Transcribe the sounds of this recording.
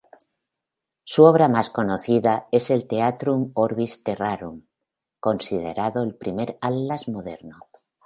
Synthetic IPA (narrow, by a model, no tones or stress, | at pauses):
suoβ̞ɾamaskonoθiðae̞se̞lt̪e̞at̪ɾumoɾβist̪eraɾum | ko̞nsið̞ḛɾaðoelpɾime̞ɾalːazmo̞ðe̞̰ɾno